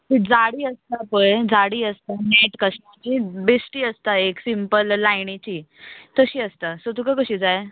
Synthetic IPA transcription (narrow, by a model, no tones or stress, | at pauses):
t̪id͡zaɽiːəst̪apəjd͡zaɽiːəst̪aneʈkəsʈat͡ɕibesʈiːəst̪aeksimpəlːajɳit͡ɕiːt̪əɕiːəst̪asət̪ukəkəɕiːd͡zaj